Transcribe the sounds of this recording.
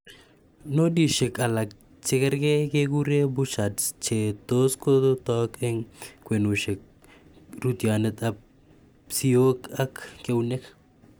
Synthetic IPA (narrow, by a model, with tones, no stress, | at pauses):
no˦di˨ʃe˨ka˨la˨k̚ | t͡ʃe˦kɛ˦ɾɡe˦keɡu˦ɾe˦buʃa˨tt͡ʃe˨t̪o˦sko˦d̪ot̪ɔke˦ŋkwe˨nu˨ʃe˨k̚ | ɾu˦t̪janet̪ap | sio˦ka˦kːe˦wne˦k